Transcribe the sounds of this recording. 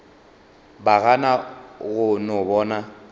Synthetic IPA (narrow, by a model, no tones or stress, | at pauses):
baɣanaɣʊnʊbɔːna